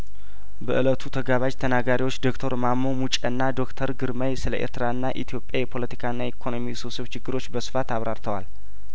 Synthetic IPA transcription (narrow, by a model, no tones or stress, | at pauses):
bəʔɨlət̪ʰut̪ʰəɡaβad͡ʒt̪ʰənaɡaɾiwo̞t͡ʃːd̪o̞kt̪ʰəɾmamːomut͡ʃʼɛnːad̪o̞kt̪ʰəɾɡɨɾməjsɨlə̰ʔe̞̰ɾt̪ʰəɾaɨnːaʔit̪ʰijo̞pʼjajɛpʰo̞lət̪i̥kʰaɨnːaekʰo̞no̞misosβt͡ʃʰɪɡːɨɾo̞t͡ʃːbəsɨ̥fat̪aβɾaɾt̪ʰəwal